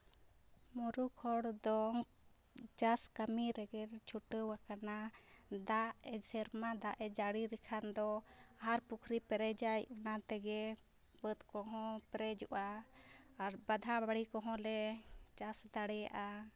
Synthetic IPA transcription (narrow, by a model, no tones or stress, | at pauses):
muɾukʰɔɽd̪ɔ | d͡ʒaskamiɾɛɡɛɾt͡ʃʰuʈəwakanad̪aʔɛsɛɾmad̪aʔɛd͡ʒaɽiɾikʰand̪ɔaɦaɾpukʰɾipɛɾɛd͡ʒajunat̪ɛɡɛ | bət̪kɔɦɔ̃pɛɾɛd͡ʒuʔaː | ɾbad̪ʱabaɽikɔɦɔ̃lɛd͡ʒasd̪aɽɛja̰ʔa